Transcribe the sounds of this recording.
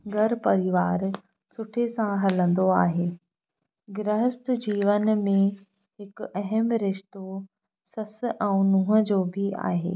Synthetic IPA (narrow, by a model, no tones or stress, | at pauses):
ɡʱɐɾpɐɾɪʋaːɾ | sʊʈʰesãɦɐlə̃nd̪oaːɦeː | ɡɾəɦəst̪d͡ʑiːʋənmẽ | ɦɪkɐɦəmɾɪʃt̪o | sɐsʔɛ̃ũnũːɦə̆d͡ʑoːbʱia̰ːɦḛː